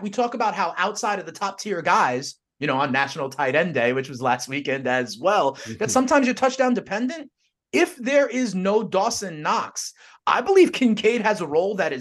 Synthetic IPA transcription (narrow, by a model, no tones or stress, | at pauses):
witʰɔkəbaʊt̚ɦaʊʔaʊtsaɪɾʌvðɨtʰɑp̚tʰɪɹɡaɪz̥ | jɨñoʊə̃nːæʃn̩l̩ˠtʰaɪɾɛ̃ndeɪwɨt͡ʃwʌzlæst̚wikɛ̃ndɨzwɛlˠðɨtsʌ̃mtʰãɪ̃mzjə˞tʰʌt͡ʃd̥ãʊ̃ndɨpʰɛ̃ndɨ̃nt | ɪfðə˞ɪznoʊdɔsɨ̃nːɑks | ʔa̰ɪbəliv̥kʰɪ̃nkʰeɪd̚ɨzəɹoʊlˠðɨɾɨ